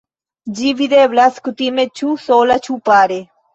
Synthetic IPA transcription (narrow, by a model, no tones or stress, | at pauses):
d͡ʒiʋid̪eːʋlɐskut̪imẽt͡ʃʰuːsoːlɐt͡ʃʰupaːɾe